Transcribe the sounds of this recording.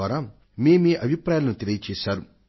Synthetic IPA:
aːɾaː | meːmeːʔɐbʱipɾaːjlɐnut̪elijɐt͡ʃeːsaːɾu

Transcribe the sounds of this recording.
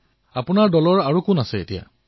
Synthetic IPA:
apunaɹdɔlɔɹaɹukʊnasɛḛtija̰

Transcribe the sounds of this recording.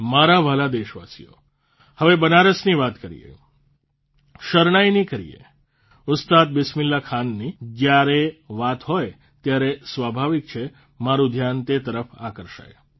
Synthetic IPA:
maɾaʋəlad̪eʃʋa̰sḭjo̰ | həʋebənaɾəsniʋat̪kəɾḭjḛ | ʃəɾɳajnikəɾḭḛ | ʊst̪ad̪̚bɪsmɪlːakʰanːid͡ʒjaɾeʋat̪ɦoj | t̪jaɾesʋabʱaʋik̚t͡ʃʰe | maɾũd̪ʱjant̪et̪əɾəfa̰kəɾʃa̰je

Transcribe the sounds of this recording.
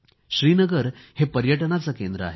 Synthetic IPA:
ɕɾiːnəɡəɾhepəɾjəʈənat͡səkend̪ɾəa̰ɦe

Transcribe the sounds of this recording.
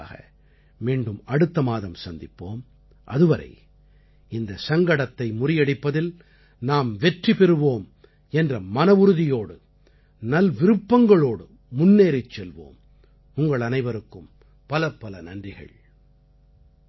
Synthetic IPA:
ɣɐ̰ | miːɳɖɯmɐɽɯt̪ːɐmaːðɐmsɐnd̪ɪpːoːm | ʔɐ̰ðɯʋɐɾɐ̰ɪ | ɪnd̪ɐsɐŋɡɐɽɐt̪ːɐɪmʊrɪjɐɽɪpːɐðɪl | naːmʋɛʈripɛɾɯʋoːm | ɛndrɐmɐnɐʋɯɾɯðɪjoːɽɯ | nɐlʋɪɾɯpːɐŋɡɐɭoːɽɯ | mʊnːeːɾɪt͡ʃːɛlʋo̰ːm | ʊŋɡɐɭɐnɐɪʋɐɾɯkːɯm | pɐlɐpːɐlɐnɐndrɪɣɐ̰ɭ

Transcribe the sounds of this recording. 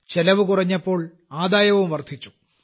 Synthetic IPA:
t͡ɕelɐʋɨkurɐɲːɐpːo̞ːɭ | aːd̪aːjɐʋumʋɐrt̪ʰit͡ɕːu̥

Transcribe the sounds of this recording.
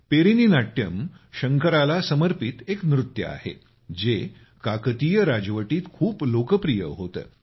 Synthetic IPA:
peɾininaʈjəmɕəŋkəɾalasəməɾpit̪eknɾut̪jə̰a̰hḛ | d͡ze | kakət̪ijəɾad͡zʋəʈiːt̪kʰuːplokəpɾijə̰ɦot̪ə̰ː

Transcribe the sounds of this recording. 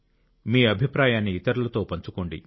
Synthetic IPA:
miːɐbʱipɾaːjaːnːiːt̪ɐɾulɐt̪o̞ːpɐɲt͡ʃukoːɳɖḭ

